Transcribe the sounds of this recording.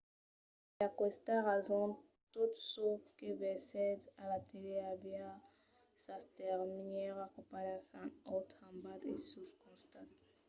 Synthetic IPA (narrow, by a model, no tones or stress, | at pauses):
iakɛst̪aʁazɔ̃ | tut̪sokebɛsɛd̪alat̪eleabja | sastɛʁmiɲɛʁakopaɾasãnɔt̪ãmbat̪ḛsuskɔ̃st̪at̪